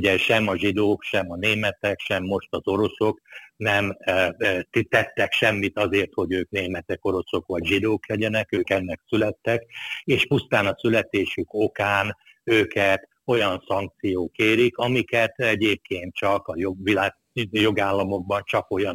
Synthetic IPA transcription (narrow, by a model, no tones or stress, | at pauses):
uɟɛʃɛmɒʒid̪oːkʃɛmɒneːmɛt̪ɛkʃɛmːo̞ʃt̪ɒzo̞ɾo̞so̞knɛm | t̪it̪ɛt̪ːɛkʃɛmːit̪ɒzeːrt̪ho̞ɟøːkneːmɛt̪ɛko̞ɾo̞so̞kʋɒɟʒid̪oːklɛɟɛnɛkøːkɛnːɛksylɛt̪ːɛkeːʃpust̪aːnɒsylɛt̪eːʃyko̞kaːn | øːkɛt̪ | o̞jɒnsɒŋk̚t̪sijoːkeːɾikɒmikɛt̪ɛɟeːp̚keːnt̪̚t͡ʃɒkɒjoʋilaːɡ | jo̞ɡaːlːɒmo̞ɡ̚bɒnt͡ʃɒko̞jɒn